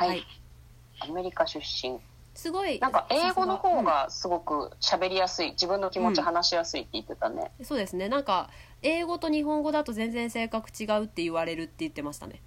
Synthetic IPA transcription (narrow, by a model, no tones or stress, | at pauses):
haai | ame̞ɾʲikaɕɨɕːĩŋ | sɨɡo̞inãŋkaʔe̞ːɡo̞no̞ho̞ːɡasɨɡo̞kɯ̟̰ɕabe̞ɾʲijasɨid͡ʑibɯ̟̃nːo̞kʲimot͡ɕiɦanaɕijasɨit̪ːe̞it̪ːet̪anḛso̞ːd̪e̞sɨne̞nãŋka | e̞ːɡo̞t̪o̞ɲ̟iɦõ̞ŋɡo̞d̪at̪o̞zẽ̞nd͡zẽ̞ɰ̃se̞ːkakɯ̟̥t͡ɕiɡaɯ̟t̪ːe̞ɯβaɾe̞ɾɯ̟t̪ːe̞jɯ̟t̪ːe̞maɕi̥t̪a̰ne̞̰